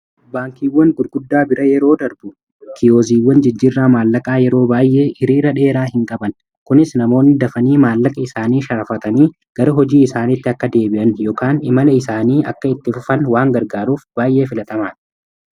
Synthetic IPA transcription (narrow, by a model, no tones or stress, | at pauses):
baːŋkiːwːɐŋɡʊd̪ɡʊd̪ːaːbɪɾɐjɛɾo̞ːd̪ɐɾbʊ | kʰɪjoːziːwːɐnd͡ʒɪd͡ʒːirːaːmaːlːɐkʼaːjɛɾo̞ːbaːjʔe̞ːʔɪɾiːɾɐᶑe̞ːɾaːhɪŋkʼɐbɐn | kʊnɪsnɐmo̞ːnːɪd̪ɐfɐniːmaːlːɐkʼɐɪsaːniːʃɐɾɐfɐt̪ɐniː | ɡ̥ɐɾɐɦɔd͡ʒiːɪsaːnɪt̪ːɪɐkːɐd̪e̞ːbɪʔɐnjoːkaːnɪmɐlɐɪsaːniːʔɐkːɐɪt̪ːɪfʊfɐnwaːŋɡɐɾɡaːɾuːfb̥aːjʔe̞ːfɪlɐt̪ɐmaːn